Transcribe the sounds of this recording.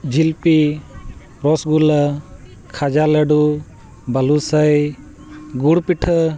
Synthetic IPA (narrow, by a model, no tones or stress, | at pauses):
d͡ʒilpi | ɾɔsɡulə | kʰad͡ʒaləɖu | balusəj | ɡuɽpiʈʰə